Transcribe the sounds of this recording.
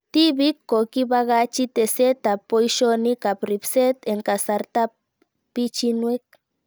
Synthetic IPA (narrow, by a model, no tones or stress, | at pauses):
t̪ibikːokibaɣat͡ʃit̪eset̪apojʃonikapɾipset̪eŋkasaɾt̪a | pit͡ʃinwek̚